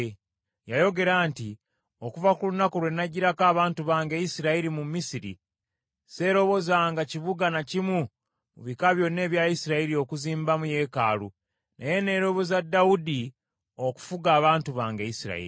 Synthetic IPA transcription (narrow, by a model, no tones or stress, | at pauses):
jajo̞ɡe̞ɾaːnti | okuvakulunakoɾwe̞nːaɟiɾakaːβaːntuβaːŋɡejisiɾaiɾimumisiɾḭ | se̞ːɾo̞βo̞zaːŋɡaciβuɡanacimu | muβikaβjo̞nːe̞ːβjajisiɾaiɾio̞kuziːmbamuje̞ka̰ːlu | naje̞ne̞ɾo̞βozadːaudi | oku̥fuɡaːβaːntuβaːŋɡeisiɾa̰ḭɾḭ